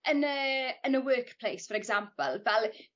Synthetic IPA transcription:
ənəənəwɜːkpʰl̥ejsfɔɾɛɡzampəlˠvɛlˠ

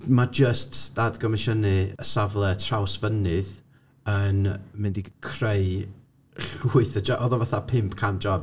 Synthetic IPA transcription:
mad͡ʒəstd̥adɡɔmɪʃənɨəsavlˠɛtʰrawsvənɨð | ənmɪndikʰrej | ɬuːɨθəd͡ʒɔʔɔðɔvaθapʰɪmpʰkʰand͡ʒɔb

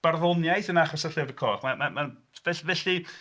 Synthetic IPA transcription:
b̥arðɔnjajθənaχɔsaɬɪvəkʰɔːχmamaman | vɛvɛɬi

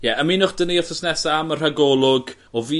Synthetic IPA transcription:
jɛʔəminʊχd̥əniɔθəsnɛsaamər̥aɡɔlˠʊɡ | ɔviː

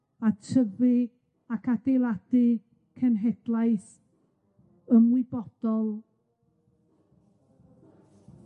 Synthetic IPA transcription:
atʰəðɨ | akʰadejlˠad̥ɨ | kʰənɦɛd̥lˠajθ | əmwɪbɔd̥ɔlˠ

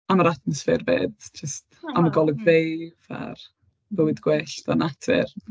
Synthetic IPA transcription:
amaɾatmɔsfɪrbḛːdd͡ʒəstaməɡɔlˠɛɡvejva̰r | bəwɪdɡwɛːɬtanatʰvɪ̰r

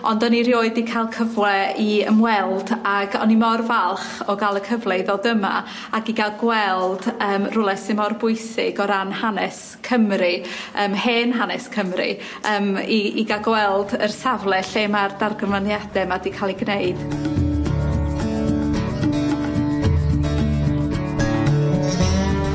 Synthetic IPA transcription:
ɔndɔniɾjoːɨdikʰalˠkʰəvlɛiə̰mwɛlˠdaɡɔnimɔrvalˠχɔɡalˠəkʰəvlˠeɨðɔdəma̰ | aɡiɡalˠɡwɛlˠdəːmrʊlˠɛsɪnmɔrbʊɨsɪ̰ɡɔɾanhanɛs | kʰəmriəːmheːnɦanɛskʰəmrḭ | əːmiiɡalˠɡwɛlˠdərsavlˠɛɬɛmardarɡənvanjad̥ɛmadikʰalˠiɡneɨd̥

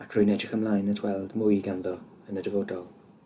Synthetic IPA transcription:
akʰr̥ʊjnɛd͡ʒɪxəmlˠajnətʰwɛlˠdmʊjɡanðɔ | ənədəvoːdɔlˠ

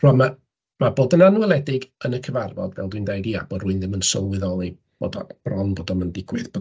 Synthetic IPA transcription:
r̥ɔma | maboːdənanuwɛlˠɛdɪɡənəkʰəvarvɔdvɛ̰lˠdwindejdiːa̰b̥oːdrʊɨnðɪmənsɔlˠwɪðɔlˠe | b̥o̰ːdɔ̰b̥rɔnboːdɔməndɪɡwɨðbo

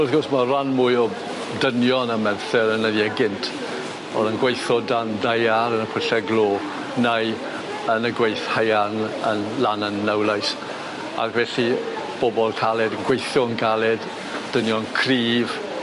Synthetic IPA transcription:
ɔrθɡɔrsmaranmʊɨɔ | dənjɔnəmɛnθɛɾənədiəɡɪntʰ | ɔ̰ðənɡwejθɔdandajaɾənəpʰəɬɛɡlˠoː | naj | ənəɡwejθhajanənlanənːawlˠajs | a̰kvɛɬi | b̥ɔbɔlˠkʰalˠɛdənɡwejθɔənɡalˠɛd | d̥ənjɔnkʰriːv

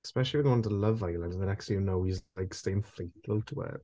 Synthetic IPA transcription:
spɛʃəl̩iwɪɡoʊɪ̃ntʰələvaɪlə̃ndən̩ðənɛkstjɪnoʊizlaɪksteɪɪ̃ɱfleɪθfəlˠtʰəɛ̰ʔ

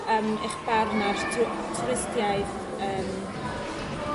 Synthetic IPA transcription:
əːmḛχb̥arnaʃtʰ | tʰɪstjajθ | əːm

